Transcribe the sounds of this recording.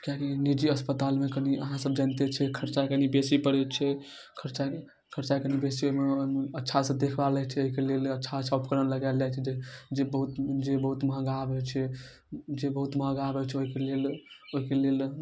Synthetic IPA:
kjakinid͡ʒiəspət̪almekəniə̰ɦãsəb̚d͡ʒant̪et͡ʃʰɛkʰəɾt͡ʃakənibesipəɽɛt͡ʃʰɛ | kʰəɾt͡ʃa | kʰəɾt͡ʃakənibesioɦmeomətːʃʰasə̃d̪ekʰbalɛt͡ʃʰɛoɦikelelətːʃʰaəsʰaupkəɾənləɡald͡ʒat͡ʃʰɛd͡ʒed͡ʒebəɦut̪d͡ʒebəɦut̪məɦə̃ɡabɛt͡ʃʰɛ | d͡ʒebəɦut̪məɦə̃ɡabɛt͡ʃʰɛoɦikeleloɦikelel

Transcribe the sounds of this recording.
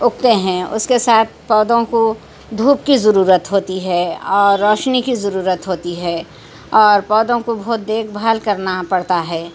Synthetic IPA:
ʊk̚t̪eɦɛ̃ʊ̰skesaːt̪̚ʰpɔːd̪õko | d̪ʱuːp̚kizəɾuːɾət̪ɦoːt̪iɦɛɔːɾːɔːʃnikizɐɾuːɾət̪ɦoːt̪iɦɛː | ɔːɾpɔːd̪õkobɔɦʊt̪̚d̪eːkʰbʱaːlkɐɾnapɐɽt̪aɦɛː

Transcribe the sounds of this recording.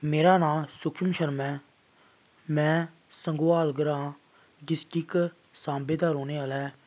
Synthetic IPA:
meːɾaːnaːlsʊkʃəmʃəɾmɛ̃ː | mɛ̃ː | səŋɡoaːlɡəɾãː | d͡ʒɪskɪk | sãːmbeːd̪aːɾoːneːaːlɛː

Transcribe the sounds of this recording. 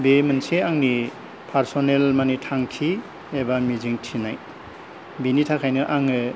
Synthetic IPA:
bemɯnseaŋni | pʰaɾsonelmanitʰaŋkʰi | ebamiziŋtʰinaj | binitʰakʰajnɯʔaŋɯ

